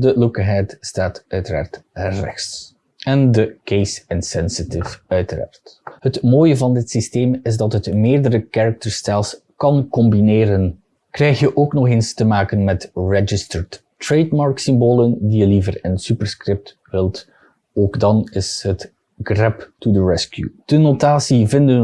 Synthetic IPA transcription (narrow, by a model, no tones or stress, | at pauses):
dəlukəɦɛtstaːtʔœɥtəɾa̰ːrtrɛ̰xts | ɛndəkejsɪnsɛnsɪtɪfœɥtəɾa̰ːrthətmoːjəvɑndɪtsisteːmɪzdɑtɦətmeːrdəɾəkaɹək̚tərstɛlˠs | kɑnkɔmbineːɾən | krɛjxjəʔoːknɔxeːnstəmaːkənmɛtɹɛd͡ʒɪstəɹt | ɹejdmɑɹksɪmboːləndijəlivərɪnsypərskrɪp̚t | ʋɪlˠt | oːɡdɑnɪsɦət | ɡrɛptudəɹɛskjṵd̥ənotaːsivɪndən